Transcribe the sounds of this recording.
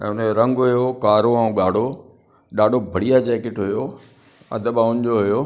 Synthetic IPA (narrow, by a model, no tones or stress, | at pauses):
ɛ̃ːʊnəoɾɐ̃ŋɡɦʊjokaːɾoaũːɠaːɽ̤ʱo | ɗaːɖʱobʱɐɽ̤ijad͡ʑɛːkɪʈɦʊjo | ɐ̰d̪ʱəɓaʊ̃ɲd͡ʑoɦʊjoː